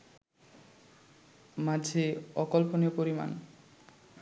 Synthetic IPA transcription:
mad͡ʑʱeɔkolponeopoɾima̰n

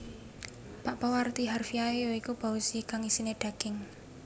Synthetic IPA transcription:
paʔpawart̪iɦarfiaejoikub̥a̤usikaŋisineɖ̥a̤ɡ̥ɪŋ

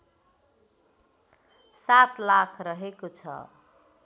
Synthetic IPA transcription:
sat̪lakʰrʌɦekot͡sʰʌ̰

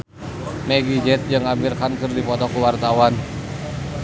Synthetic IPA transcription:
meɡid͡ʒɛt̪̚d͡ʒɨŋamirkankɨrdipɔt̪ɔkuwart̪awan

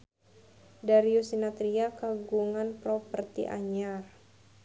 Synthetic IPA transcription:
daɾiusinat̪ɾiakaɡuŋanpɾɔpərt̪ḭʔa̰ɲar

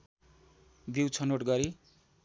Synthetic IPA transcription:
biwt͡sʰʌnoʈɡʌɾi

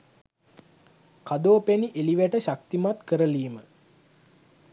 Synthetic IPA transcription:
kad̪oːpeniʔeliʋæʈəɕak̚t̪imat̪kəɾəliːmə

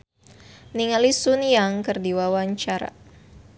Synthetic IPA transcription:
niŋalisunjaŋkərdiwawaɲt͡ʃaɾa̰

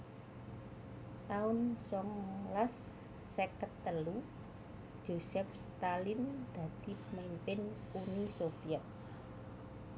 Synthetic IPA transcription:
t̪aʊnsɔŋlasː | ekət̪ːəlu̥ | ʒ̥o̤sɛfst̪alind̪̥a̤d̪̥i̤pəmimpɪn | unisofiɛt̪̚

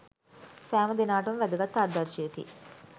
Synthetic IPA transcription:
sæːməd̪enaːʈɐmʋæd̪uɡat̪ːɐːd̪ɐɾʃijet̪ḭ

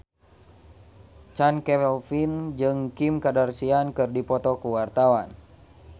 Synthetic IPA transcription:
t͡ʃankɛɛlfind͡ʒɨŋkimkadarsiankɨrdipɔt̪ɔkuwart̪awan

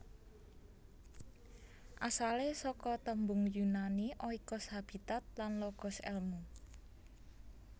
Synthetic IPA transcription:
ʔasalesɔkɔt̪əmbʊŋjunaniʔɔikɔshab̥i̤t̪at̪̚lanlɔɡ̥ɔ̤sɛ̰lmu

